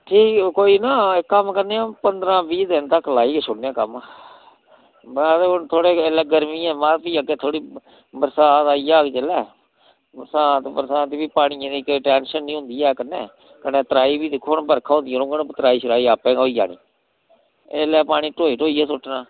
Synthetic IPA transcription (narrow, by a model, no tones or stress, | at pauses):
ʈʰiːkkoːiːnaːɪkːəmkəneːãːpənd̪ɾãːbiːd̪ɪnt̪əkːlaːiːkeʃʰʊɽnãːkəm | t̪ʰoːɽeːelɛːɡəɾmĩːɛ̃ːmaːɾpiːakeːt̪ʰoːɽiː | bəɾsaːt̪aːiːaːket͡ʃəlɛː | bəɾsãːt̪bəɾsãːt̪ːbiːpaːɽ̃iːẽd̪iːkʈɛːnʃənːĩːɦʊ̃nd̪iːɛːkənːeː | kənẽːt̪ɾaːiːbiːd̪ɪkʰːoːɳbəɾkʰaːõːnd̪ĩɾõːŋɡəɳt̪əɾaːiːʃəɾaːiːaːpɛ̃ːɡoːiːd͡ʒa̰ːñḭː | eːlɛːpaːɽ̃iːʈoːiːʈoːiːɛːsʊʈːnãː